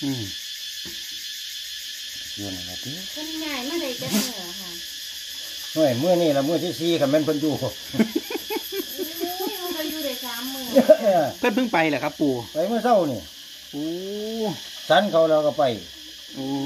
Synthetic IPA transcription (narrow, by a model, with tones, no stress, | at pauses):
ʔɯː˧˩m | a˨˩ki˧˨na̰˨˩na̰˧˩t̪i˧˩ka˧˥˨n˧ɲaː˧˩˨jmaː˧˥˨da˧˩ja˧˩˧nɯ˧˩˧ka˧˩ | nɔ˧˩˨jmɯ˧˥ə˨niː˧˨lɛ˧˩wmɯ˧˨t̪ʰi˧˨siː˧˦kʰa˧˩˨mɛː˧˨npʰɤ˧˥˨njuː˧˩˧ | ka˧juː˧da˧˩saː˨˦mːɯː˧˨a˧a˧˩pʰɤ˧˥˨npʰɯ˧˥˨ŋpa˧˩jlɛː˧˩kʰa˧˥pːuː˨˧˩pa˨˧˨jmɯ˧˨sa˧˨wniː˧˩˨ | ʔoː˧ | sa˧˦˥nkʰa˧˩wlɛː˧˩˨ka˧˩pa˧˩j | ʔoː˧